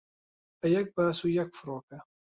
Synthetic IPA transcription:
ʔajak̚basujakfʊɾʊka

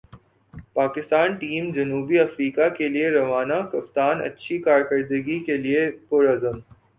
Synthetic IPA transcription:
paːkɪst̪aːnʈiːmd͡ʒɐnuːbiɐfɾiːkakelieɾɐʋaːnakɐp̚t̪aːnɐ̰tːʃʰikaːɾkɐɾd̪əɡikeliepoːɾazəm

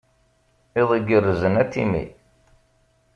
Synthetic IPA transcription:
ɪðˤiɡərəzənæt̪ːḭmḭ

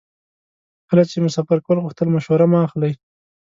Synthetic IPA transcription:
kəlat͡ʃemʊsafaɾkwəlɣʊxt̪əlmaʃwaɾamaaxlaj

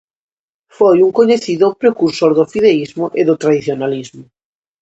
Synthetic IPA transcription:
fojuŋkoɲeθiðʊpɾekuɾsoɾðʊfiðeizmʊʔeðʊt̪ɾaðiθjonalizmʊ

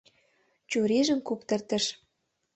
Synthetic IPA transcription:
t͡ɕuɾeʒə̆mkuk̚t̪ə̆rt̪ə̆ʃ

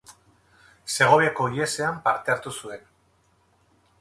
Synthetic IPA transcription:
se̞ɣ̞o̞βeko̞lie̞se̞ampaɾt̪e̞aɾt̪usue̞n

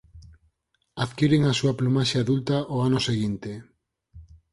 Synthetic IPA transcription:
aðkiɾeŋasuaplumaʃaːðult̪aʔoanoseɣint̪e

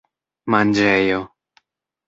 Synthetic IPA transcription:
mand͡ʒɛjo

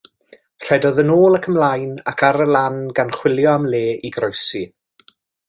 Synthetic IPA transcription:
r̥ɛdɔðənoːlˠəkʰəmlajna̰kʰaɾəlˠanɡanχw̥ɪlˠjɔamleːʔiɡrɔjsi

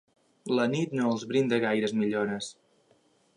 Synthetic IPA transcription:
lənit̪noəlˠzβɾind̪əɣajɾəzmiʎoɾəs

